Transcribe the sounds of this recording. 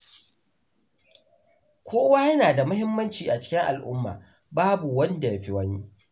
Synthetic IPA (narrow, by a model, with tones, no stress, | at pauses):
kʷʰoː˦waː˦jɐ˦naː˨da˨mʊ˦hɪ˦mːɐ˦nt͡ʃiː˨ʔa˨t͡ʃɪ̥˦kʲɪ˦ŋʔa̰˨lʔʊ̰˦mːa̰ː˨ | baː˦bu˨wɐ˦nda˨jɐ˦ɸi˦wɐ˦ɲi˦